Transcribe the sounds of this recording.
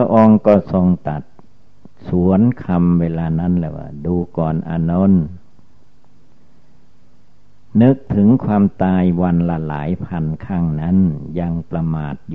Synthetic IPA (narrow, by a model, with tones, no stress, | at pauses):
ʔɔ˧ŋkɔː˧˩so˧ŋt̪a˨˩t̪̚ | su˨˩˦ənkʰa˧mweː˧laː˧na˦˥˨nlɛ̰˧˩wa̰ː˧˩duː˧kɔː˨˩nʔa̰ː˧no˧˥˨n | nɯ˦˥k̚t̪ʰɯ˩˦ŋkʰwaː˧mt̪aː˧jwa˧nla˧la̰ː˩˦jpʰa˧nkʰaː˥˩ŋna˦˥˨nja˧ŋpɾa˧maː˨˩t̪̚j